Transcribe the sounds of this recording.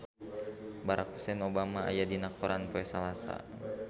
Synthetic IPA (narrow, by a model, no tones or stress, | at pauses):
baɾakhu̥sɛnobamaa̰jadinakuɾanpuɛsalasa̰